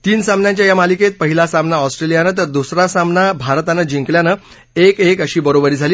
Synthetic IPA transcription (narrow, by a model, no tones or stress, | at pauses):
t̪iːnsamnjãɲt͡ɕjajamaliket̪̚pəɦilasamnaɔsʈɾelijanət̪əɾd̪usɾasamnabʱaɾt̪anəd͡ʑiŋkljanə | ekekəɕiːbəɾobəɾiːd͡zʱaliː